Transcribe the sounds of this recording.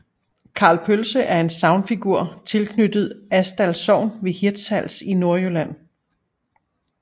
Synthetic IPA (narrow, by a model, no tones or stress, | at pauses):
kʰɑ̈ːlpʰølsəʔæɐe̝nsɑ̈ʊnfiɡ̥uɐ̰t͡sʰe̝lkʰnyd̥ð̞̩ˠæsd̥ælsɒʊ̰nʋe̝hiɐd̥shæl̰sino̝ɐølæn̰